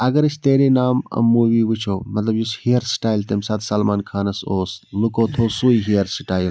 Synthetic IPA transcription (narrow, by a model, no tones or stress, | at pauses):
ɐɡɐɾɐsʰt̪eːɾenaːmɐ̰mːuːʋiːʋit͡ʃʰoːmɐt̪lɐbjishijɐɾsʈaːjlt̪emsɐːt̪ʰsɐlmaːnkʰaːnɐsoːslukoːt̪ʰoːsuːiɦijɐɾsʈaːjl